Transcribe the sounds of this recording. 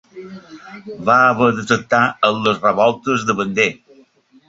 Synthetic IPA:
βaəβəðət̪ək̚t̪aənləsrəβɔlˠt̪əzðəβənd̪e

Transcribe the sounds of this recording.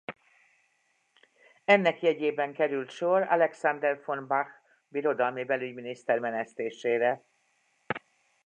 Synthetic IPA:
ɛnːɛkjɛɟeːbɛŋkɛɾylt̪ʃo̞rɑ̰lɛksand̪ɛrfonbax | biɾo̞d̪ɒlmibɛlyɟminist̪ɛrmɛnɛst̪eːʃeːɾɛ

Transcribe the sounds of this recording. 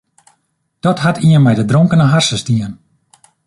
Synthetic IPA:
d̥ɔtɦatʰiənmɛjdədroŋkənəɦarsəstiən

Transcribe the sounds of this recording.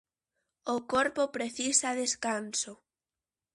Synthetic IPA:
ʊkoɾpopɾeθisaðeskanso

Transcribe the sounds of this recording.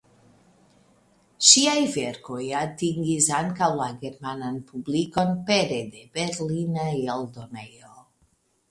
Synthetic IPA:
ʃiajveɾko̞jatiŋɡisaŋkawlaɡe̞ɾmananpubliko̞npeɾed̪ebeɾlinajald̪onejo

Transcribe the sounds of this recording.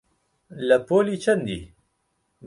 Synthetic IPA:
ləpʰoːliːt͡ʃʰɛnd̪ḭː

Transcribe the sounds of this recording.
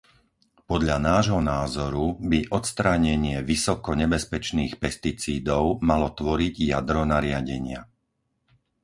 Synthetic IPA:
pɔd̪ʎanaːʒɦɔnaːzɔɾubiʔɔt̪st̪ɾaːɲɛɲɪɛʋisɔkɔɲɛbɛspɛt͡ʃniːxpɛst̪it͡siːd̪ɔʊmalɔt̪ʋɔɾiɟja̰d̪ɾɔnaɾɪaɟɛɲɪa̰

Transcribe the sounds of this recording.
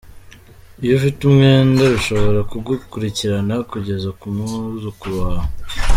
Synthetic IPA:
ijofitumŋeːndaɾuʃo̞βo̞ɾakuɡukuɾiciɾanakuɟe̞zakumuzukuβaho

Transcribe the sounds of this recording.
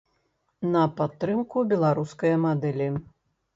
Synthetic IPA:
nɐpat̪ːɾɨmkubʲɛlˠaɾuskɐjɐmad̪ɛlʲi

